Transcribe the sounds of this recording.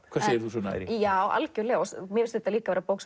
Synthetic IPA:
vaːɾsɛɪɾθusɔna̰ɾijaːwʔa̰lcʏlɛɣaɔsmjɛɪsθɛt̪ːaliːkavɛːɾapoːwks

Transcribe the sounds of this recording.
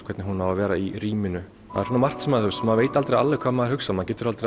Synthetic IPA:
kʰvɛt̪nɪɦunhavavɛːɾaiɾiːmɪnʏ | ha̰ðɾhunamar̥t̪sɛmaðθsɛmaðveːjt̪alt̪ɾea̰lːɛkʰvaːðmaðɪɾhʏksamaðcɛːt̪ɪɾalt̪ɾ

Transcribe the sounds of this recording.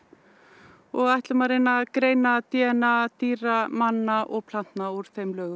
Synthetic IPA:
ɔɣajht̪lʏmaɾɪnːakɾeːjnat̪jɛːnat̪iːɾamanːaʔɔɣpʰlan̥t̪nauɾ̥fejmlœːɣʏ

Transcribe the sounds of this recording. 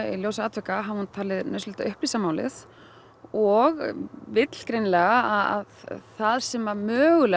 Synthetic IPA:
ḭljoːws̬aːt̪vɛkaɦavahunt̪ʰaːlɪðnœɥslɪt̪aʔʏhplisamaːwlɪ̰θ | ɔɣvɪt̪l̥kɾejnlɛːɣaaa̰ðθaðsɛmamœːɣʏlɛ

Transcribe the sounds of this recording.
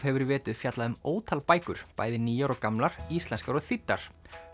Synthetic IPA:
hɛvʏɾvɛːt̪ʏðfjat̪laðʏmoːwt̪ʰalpaːjkʏ̰ɾ̥pa̰ːjðɪniːjaɾɔkamlaɾ̥ist̪ɛnskaɾɔɣθit̪ːa̰ɾ̥

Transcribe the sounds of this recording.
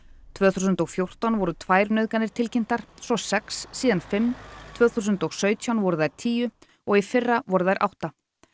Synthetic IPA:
t̪ʰvœːθusʏnt̪ɔɣfjowr̥t̪awnvɔɾʏt̪ʰvaːjɾnœɥðkanɪɾ̥t̪ʰɪlcɪn̥t̪aɾ̥sɔsɛksːiːðanfɪmːt̪ʰvœːθus̬ʏnt̪ɔɣsœːɥt̪ʰjawnvɔɾʏðajɾ̥t̪ʰiːjʏ | ɔɣifɪrːavɔɾʏðajɾʔa̰wht̪a

